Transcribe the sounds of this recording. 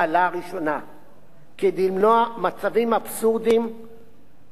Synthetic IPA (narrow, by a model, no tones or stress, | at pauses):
alaʁiʃo̞na | ked̪ilmnoamat͡savimapsuʁd̪im